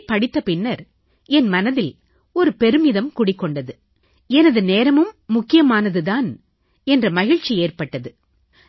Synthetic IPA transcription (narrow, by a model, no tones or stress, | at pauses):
pɐɽɪt̪ːɐpɪnːɐɾ | ɛnmɐnɐðɪl | ɔɾɯpɛɾɯmɪðɐmkʊɽɪkːɔɳɖɐðɯ | ɛnɐðɯneːɾɐmɯmːʊkːɪjɐmaːnɐðɯðaːn | ɛndrɐmɐɣɪɻt͡ʃːieːrpɐʈːɐðɯ